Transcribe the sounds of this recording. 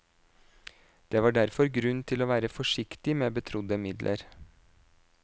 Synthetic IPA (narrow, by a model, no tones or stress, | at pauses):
d̪̥eːʋɑːɖæɾfɔɾɡɾʉnt̪ʰɪloːʋæːɾəfɔʂɪkt̪ɪmeːbət̪ʰɾʊd̪əmɪd̪lʔə̰ɾ